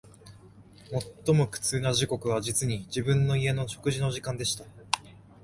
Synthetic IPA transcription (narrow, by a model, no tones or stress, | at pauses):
mo̞t̪ːo̞mo̞kɯ̟̥t͡sɨːnaʑiko̞kɯ̟β̞ad͡ʑit͡sɨɲ̟id͡ʑibɯ̟̃nːo̞ie̞no̞ɕo̞̥kɯ̟ʑino̞ʑikãnd̪e̞ɕi̥t̪a